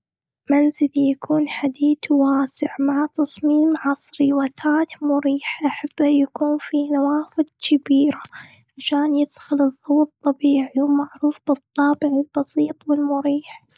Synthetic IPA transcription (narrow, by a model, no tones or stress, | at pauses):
manzɪljakʰuːnħad̪iːd̪waːsɪʕmaʕat̪ɑsˤmiːmʕɑsˤɾiwat̪ʰaːt̪mʊɾiːħʔaħab̥ːajakuːnfiːnawaːfɪd̪̚kɪbiːɾa | ʕaʃaːnjɪθxɪlɨðˤːɑwɨt̪ˤːɑbiːʕiwmaʕɾuːfb̥ɨt̪ˤːɑːbɪʕɪlb̥ɑsˤiːt̪ˤwɪlmʊɾiːħ